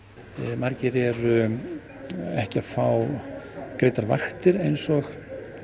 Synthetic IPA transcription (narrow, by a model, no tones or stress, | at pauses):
maɾcɪɾɛɾʏ | ɛhcɪafaw | kɾeːjt̪aɾva̰xt̪ɪɾejnsɔx